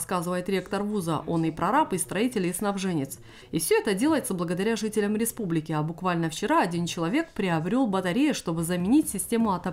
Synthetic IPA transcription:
skazɨvəjɪt̪ɾʲe̞kt̪ərvuzə̰ʔo̞nɨpɾɐɾapɨst̪ɾɐitʲɪlʲɪsnɐvʐɛnʲɪt̪s | ɪfsʲɵɛt̪ədʲe̞lˠəjɪt̪səblˠəɡəd̪ɐɾʲaʐɨtʲɪlʲəmɾʲɪspublʲɪkʲɪabʊkvalʲnəft͡ɕɪɾaɐdʲint͡ɕɪlˠɐvʲe̞k̚pɾʲɪɐbɾʲo̞lˠbət̪ɐɾʲejəʂt̪o̞bɨzəmʲɪnʲitʲsʲɪsʲtʲe̞mʊɐt̪ɐ

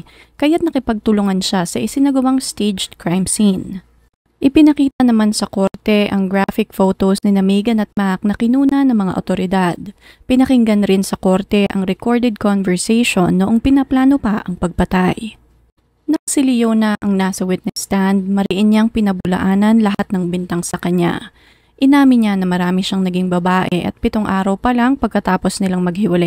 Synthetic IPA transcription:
kɐjat̪̚nɐkɪpɐɡ̚t̪ʊlʊŋɐnʃasɐʔɪsɪnɐɡɐwaŋst̪ed͡ʒ̪kɹajmsin | ʔɪpɪnɐkiːt̪ɐnɐmansɐko̞ɾt̪ɛʔɐŋɡɹafɪk̚fowt̪osnɪnɐmiːɡɐnɐt̪̚mak̚nɐkɪnuːnɐnɐŋmɐŋa̰ʔot̪o̞ɾɪd̪ad̪̚ | pɪnɐkɪŋɡɐnɾɪnsɐko̞ɾt̪ɛʔɐŋɾɛko̞ɹd̪ɛd̪̚konvɛɹsɛjʃo̞nːoʔoŋpɪnɐplaːno̞paʔɐŋpɐɡ̚pɐt̪aj | nɐŋsɪlɪjoːnɐʔɐŋnasɐwɪt̪̚nɛsːt̪and̪̚mɐɾɪʔɪnɲaŋpɪnɐbʊlɐ̰ʔaːnɐnlɐɦat̪̚nɐŋbɪnt̪aŋsɐkɐɲa̰ | ʔɪnaːmɪɲanɐmɐɾaːmɪʃaŋnɐɡiŋbɐbaːʔɛʔɐ̰t̪̚pɪt̪oŋʔaːɾɐwpɐlaŋpɐɡ̚kɐt̪aːpo̞snɪlaŋmɐɡ̚hɪwɐlaj

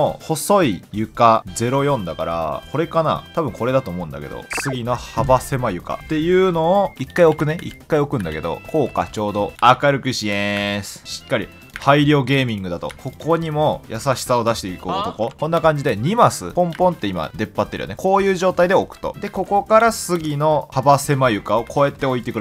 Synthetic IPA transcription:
oho̞so̞ijɯ̟kazd͡ze̞ɾo̞jõ̞nd̪akaɾa̰kʰo̞ɾe̞kana̰t̪abɯ̟̃ŋko̞ɾe̞d̪at̪oːmo̞ɯ̟̃nd̪a̰ke̞d̪o̰sɨɡʲinohabase̞majɯ̟ka̰t̪e̞jɯ̟ːno̞ːikːaio̞kɯ̟ne̞ʔḭkːaio̞kɯ̟̃nd̪a̰ke̞d̪o̞̰kʰo̞ːka̰t͡ɕo̞ːd̪o̞akaɾɯ̟kɯ̟ɕiesɨ̥ɕi̥kːaɾʲi | haiɾʲjo̞ːɡe̞ːmʲĩŋɡɯ̟d̪at̪o̞̰ko̞ko̞ɲ̟imo̞jasaɕi̥sao̞d̪aɕi̥t̪e̞ikoːot̪o̞ko̞kõ̞nːakãɲ̟d͡ʑid̪e̞ɲ̟imasɨ̰põ̞mpõ̞nt̪ːe̞ima̰d̪e̞pːat̪ːeɾj̰o̰neko̞ːjɯ̟ːʑo̞ːt̪aid̪e̞okɯ̟̥t̪o̞̰d̪e̞ko̞ko̞kaɾasɨɡʲino̞habase̞majɯ̟kao̞kʰo̞e̞t̪ːe̞o̞it̪e̞kɯɾ

